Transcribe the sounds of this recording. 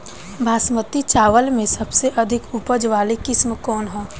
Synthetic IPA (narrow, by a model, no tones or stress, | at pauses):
bʱaːsmət̪it͡ʃaːʋəlmẽsɐbseʔɐd̪ʱɪkupəd͡ʒʋaːlekɪsmkɔːnɦɛː